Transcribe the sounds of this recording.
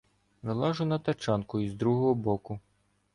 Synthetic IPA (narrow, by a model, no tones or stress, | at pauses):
ʋelˠɑʒʊnɐt̪ɐt͡ʃɑnkʊizd̪ɾuɦɔɦɔbɔkʊ